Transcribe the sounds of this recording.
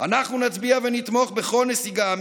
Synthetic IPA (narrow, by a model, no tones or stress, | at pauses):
anaχnunat͡sbiavenit̪mo̞χbeχo̞lnesiɡam